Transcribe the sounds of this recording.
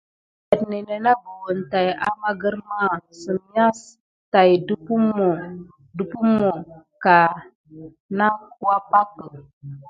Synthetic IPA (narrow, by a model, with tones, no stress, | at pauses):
ə˨tni˨nə˨na˦bə˨wə˨nta˨ja̰˦ma˦ɡə˦ɾma˦˨sə˨mi˦a˦s | ta˨jdu˦pu˦mo˨ | du˦pu˦mo˨ | ka˨ | na˦ku˦a˦pa˦kə˨